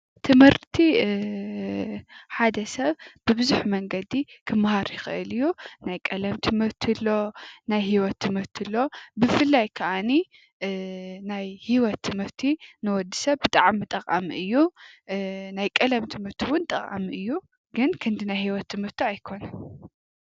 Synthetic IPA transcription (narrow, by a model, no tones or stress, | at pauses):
t̪ʰɨmhɨɾt̪ʰi | ħad̪ɐsɐβbɨbɨzuħmɐŋɡɐd̪ikʰɨmːhaɾjɪxɨ̰ʔɨ̰lɨjːunajkʼɐlɐmt̪ʰɨmɨɾt̪ʰilːo̞najhiwɔt̪ʰːɨmɨɾt̪ʰilːo̞bɨfɨlːajkʰɐʔani | najhiwɔt̪ʰːɨmɨɾt̪ʰinɨwɔd̪ːisɐβbɨt̪ʼaʕmːɨt̪ʼɐqʼamiʔɨjːu | najkʼɐlɐmt̪ʰɨmɨɾt̪ʰiwʊnt̪ʼɐχʼa̰miʔɨjːu | ɡɨnkʰɨnd̪inajhiwɔt̪ʰːɨmɨɾt̪ʰiajkʰo̞nɐn